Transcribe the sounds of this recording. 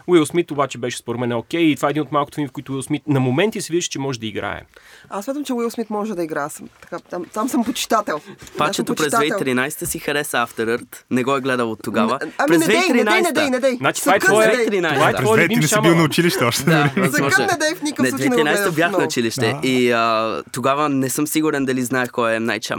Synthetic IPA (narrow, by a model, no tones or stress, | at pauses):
wilˠsmit̪obat͡ʃɛbɛʃɛ̥spoɾɛd̪mɛnɛokʲɛjit̪ovaɛd̪inot̪malˠkot̪ovimifkoit̪ʊwilˠsmit̪nɐmomɛnt̪isiviziʃɛ̥t͡ʃɛmɔʒɛd̪ɐiɡɾa̰ɛ̰asmʲjat̪əmt͡ʃɛwilˠsmit̪mɔʒɛd̪ɐiɡɾasəmt̪ɐ̥kat̪amt̪amsəmpot͡ʃi̥t̪at̪ɛlˠpat͡ʃɛt̪opɾɛzt̪avɛt̪ɾinajsɛ̥t̪əsixɐɾɛsəaft̪ɛɾəɾt̪nɛɡɔɛɡlɛd̪əlˠot̪ːoɡavəpɾɛzvɛɾinajnɛd̪ɛjnɛd̪ɛjnat͡ʃi̥avɔɛt̪ɾinajsvɛt̪ɾɛt̪bilˠnɐʊt͡ʃiliʃt̪ɛɔʃt̪ɛd̪ɐɾimɔaʒɛnɛd̪ɛjfnikənɛɛɾinajsɛt̪əbjaxnɐʊt͡ʃiliʃt̪ɛiət̪oɡavənɛsɤmsiɡuɾɛnd̪ɐliznaɛxkɔjɛmna̰jt͡ʃa̰